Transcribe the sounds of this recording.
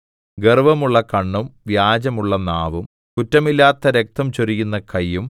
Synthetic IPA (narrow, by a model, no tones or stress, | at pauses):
ɡerʋɐmuɭːɐkɐɳːumʋjaːd͡ʑɐmuɭːɐnaːʋum | kutːɐmilːaːt̪ːɐɾe̞k̚t̪ɐmt͡ɕorikːunːɐkɐjːum